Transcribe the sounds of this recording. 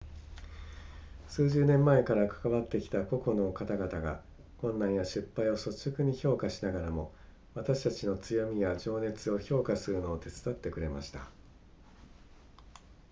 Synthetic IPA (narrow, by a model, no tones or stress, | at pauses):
sɨːʑɨːnẽ̞mːae̞kaɾakḁkaβat̪ːe̞kʲi̥t̪ako̞ko̞no̞kat̪aɡat̪aɡa̰ | kõ̞nːãɰ̃jaɕɨpːaio̞so̞okɯ̟ɲ̟iço̞ːkaɕinaɡaɾamo̞ | βat̪aɕi̥t̪at͡ɕino̞t͡sɨjo̞mʲijad͡ʑo̞ːne̞t͡sɨo̞ço̞ːkasɨɾɯ̟no̞ːt̪e̞t͡sɨ̥d̪at̪ːe̞kɯ̟ɾe̞ma̰ɕi̥t̪a